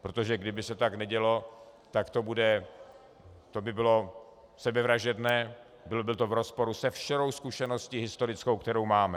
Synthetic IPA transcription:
pɾot̪o̞ʒɛɡdɪbɪsɛt̪aknɛɟɛlo̞t̪akt̪o̞budɛ | t̪o̞bɪbɪlo̞ | sɛbɛvɾaʒɛdnɛː | bɪlobɪlt̪ovɾo̞spo̞ɾusɛfʃɛɾo̞wskuʃɛnosciːɦɪst̪o̞ɾɪt͡skowkt̪ɛɾowmaːmɛ

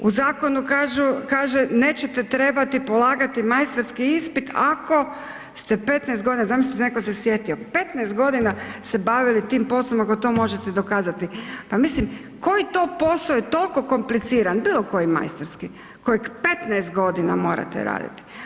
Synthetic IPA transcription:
uzaːko̞nukaʒukaːʒene̞ːt͡ɕet̪et̪ɾe̞bat̪ipo̞lˠaːɡat̪imajst̪oɾskiispit̪ako̞ | st̪ɛpe̞t̪nɛsɡod̪inazamissnekosesje̞t̪io̞pe̞t̪nɛːst̪̚ɡo̞d̪inasebaʋilit̪iːmpo̞slˠomakot̪o̞ːmo̞ʒet̪ed̪okaːzat̪ipamislim | ko̞jit̪o̞po̞sojet̪o̞lˠko̞ko̞mplit̪siːɾanbiːlˠo̞ko̞jima̰jst̪oɾski | koikpe̞t̪najst̪̚ɡo̞d̪ina̰mo̞ːɾa̰t̪ḛɾa̰ːd̪ḭt̪i̥

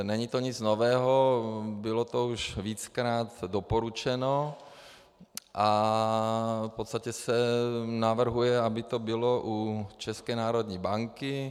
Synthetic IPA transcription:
nɛɲit̪oɲɪt͡snovɛːɦobɪlot̪ouʃviːt͡skɾaːt̪dopoɾut͡ʃɛno | ʔa | fpot̪st̪acɛsɛnavr̩ɦujɛabɪt̪obɪloʔut͡ʃɛskɛːnaːɾod̪ɲiːbaŋkɪ

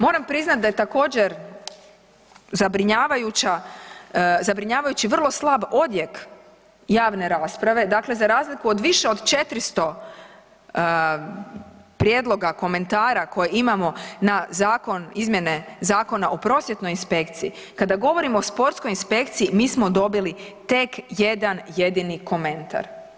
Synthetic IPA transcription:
mo̞ːɾampɾiznat̪̚d̪ajet̪ako̞ːd͡ʑe̞ɾ | zabɾiɲaːʋajut͡ɕa | zabɾiɲaːʋajut͡ɕiʋr̩lˠo̞slˠabo̞d̪je̞k | jaːʋne̞ɾaːspɾaʋe̞d̪akle̞zaɾaːzlikuod̪ʋiʃe̞o̞d̪t͡ʃe̞t̪ɾist̪o̞ | pɾjed̪lˠo̞ɡako̞me̞nt̪aːɾako̞jeimamo̞nazaːko̞nizmje̞ne̞zaːko̞naʔopɾo̞sjet̪no̞jinspe̞kt̪siikad̪aɡo̞ʋo̞ɾimoospo̞ɾt̪sko̞jinspe̞kt̪siimiːsmo̞d̪o̞bilit̪e̞kje̞d̪anje̞d̪iniko̞mẽ̞nt̪a̰ɾ

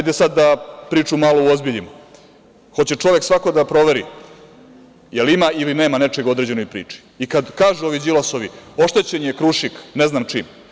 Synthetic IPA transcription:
ajd̪esad̪ːapɾiːt͡ʃumalouozbiʎim | xo̞t͡ɕe̞t͡ʂo̞ʋeksʋakod̪apɾo̞ʋeɾḭ | jelimailineːmane̞t͡ʃeɡod̪ɾed͡ʑe̞nojpɾḭːt͡ʂi̥ | ikad̪kaːʒuo̞ʋid͡ʑilaso̞ʋio̞ʃt̪e̞t͡ɕeɲekɾuʃikneznamt͡ʂiːm

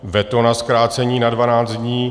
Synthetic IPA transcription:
vɛt̪onaskɾaːt͡sɛɲiːnadvanaːd͡z̪d̪ɲiː

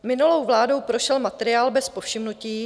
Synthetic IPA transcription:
mɪnulowvlaːdo̞wpɾoʃɛlmat̪ɛɾɪaːlbɛspo̞fʃɪmnuciː

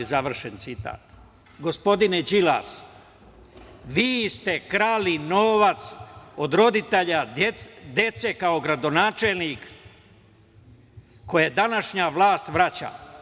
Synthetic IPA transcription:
zaʋr̩ʃent̪sit̪a̰ːt̪ | ɡo̞spo̞d̪ined͡ʑila̰ːs | ʋiːst̪e̞kɾaːlinoːʋat̪so̞d̪ɾo̞d̪it̪eʎaed̪e̞t̪se̞kao̞ɡɾad̪o̞naːt͡ʃelˠnik | o̞jed̪anaʃɲaʋlˠaːst̪ʋɾat͡ɕa̰

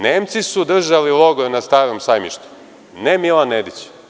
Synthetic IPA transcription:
neːmt̪sisud̪r̩ʒaliloɡonast̪aːɾomsajmḭʃt̪u̥ | nemilanːed̪it͡ɕ

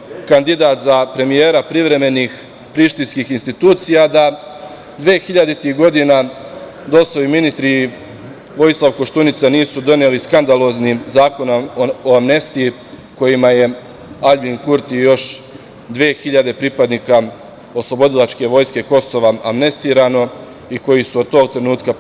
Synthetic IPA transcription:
kand̪id̪aːt̪zapɾe̞mije̞ːɾapɾiʋɾe̞me̞niːx | pɾiʃt̪inskiːxinst̪it̪uːt̪sijad̪a | d̪ʋeːxiʎad̪it̪iɡo̞d̪ina | d̪o̞slojuminist̪ɾi | ʋo̞jislˠaʋkoʃt̪unit̪saniːsud̪o̞neliskand̪alo̞ːznizaːko̞noamne̞st̪ii | ko̞jimaje̞ | aʎbiŋkuɾt̪ijo̞ʃ | d̪ʋeːxiʎad̪e̞pɾipad̪niːka | o̞slˠo̞bo̞d̪ilˠat͡ʃke̞ʋo̞jske̞ko̞so̞ʋaamne̞st̪iːɾano̞ | iko̞jisuod̪̚t̪o̞ɡ̚t̪ɾe̞nuːt̪ka

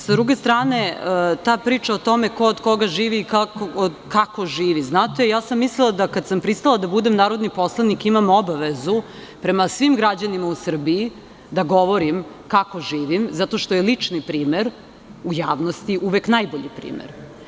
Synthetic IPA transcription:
sad̪ɾuɡest̪ɾaːne̞ət̪aːpɾiːt͡ʃaot̪o̞me̞ko̞od̪ko̞ɡaʒiːʋiːkakood̪kako̞ʒiːʋiznaːt̪ejaːsamːislilˠad̪akad̪sampɾist̪alˠad̪abud̪emnaːɾo̞d̪nipo̞slˠanikimamobaʋezu | pɾe̞masʋimɡɾad͡ʑanimausr̩bii | d̪aɡo̞ʋo̞ɾim | kako̞ʒiːʋimzat̪o̞ʃt̪o̞jelit͡ʂnipɾiːmeɾ | ujaːʋnost̪iʔuʋeknajboʎipɾḭːmḛɾ

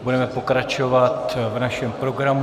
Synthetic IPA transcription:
budɛmɛpo̞kɾat͡ʃo̞vat̪vnaʃɛmpɾo̞ɡɾam

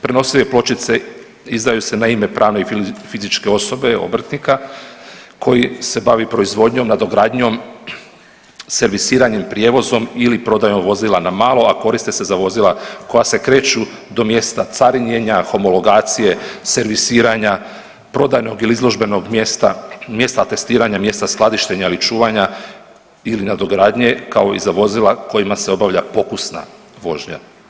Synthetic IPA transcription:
pɾeno̞sileplo̞t͡ʃit̪se̞ | izd̪ajuse̞naime̞pɾʔaːʋne̞ifizit͡ʃke̞o̞so̞be̞o̰br̩t̪nika | kʰo̞jise̞baʋipɾo̞izʋo̞d̪ɲo̞mnad̪o̞ɡɾaːd̪ɲo̞m | se̞ɾʋisiːɾaɲempɾije̞ːʋo̞zo̞milipɾo̞d̪ajo̞mʋo̞zilˠanamaːlˠo̞ako̞ɾist̪ese̞zaʋo̞zilˠako̞jase̞kɾe̞ːt͡ʃu | d̪o̞mje̞st̪at̪saɾiɲe̞ɲaxo̞mo̞lo̞ɡaːt̪sije̞se̞ɾʋisiːɾaɲa | pɾo̞d̪ajno̞ɡiliizlˠo̞ʒbe̞no̞ɡst̪amje̞st̪at̪e̞st̪iːɾaɲamje̞st̪asklˠad̪iʃt̪e̞ɲailit͡ʃuːʋaɲa | ilinad̪o̞ɡɾaːd̪ɲe̞kao̞izaʋo̞zilˠako̞jimase̞o̞baʋʎapo̞kusna̰ | ʋo̞ʒɲa̰

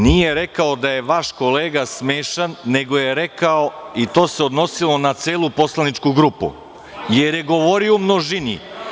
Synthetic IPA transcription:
nijeɾe̞kaod̪aje̞ʋaʃko̞leːɡasmeːʃanːe̞ɡo̞je̞ɾe̞kaoit̪o̞ːseo̞d̪no̞silˠo̞nat̪seːlˠupo̞slˠanit͡ʃkuɡɾupṵ | jeɾjeɡo̞ʋo̞ɾiomnoʒinḭ

